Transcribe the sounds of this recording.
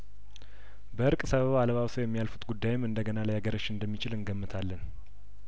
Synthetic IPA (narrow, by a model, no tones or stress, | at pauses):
bəɨɾkʼsəβəβaləβawsəwjɛmːijalfut̪ɡud̪ːajɪmɨnd̪əɡənalajaɡəɾot͡ʃːɨnd̪əmːit͡ʃɪlɨnɡəmːɨt̪ʰalːən